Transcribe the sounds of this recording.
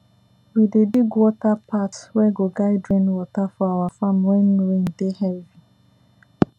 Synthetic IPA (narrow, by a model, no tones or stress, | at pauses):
widediɡwɔtapʰatwɛɡoɡaɪdɾẽnwɔtafɔawafamwɛnɾen̩dehɛvi